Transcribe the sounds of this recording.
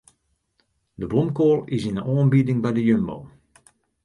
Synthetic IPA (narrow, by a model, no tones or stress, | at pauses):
dəblɔmkoːlˠɪsɪnənɔːənbidɪŋbɛjdəjømbo̰wm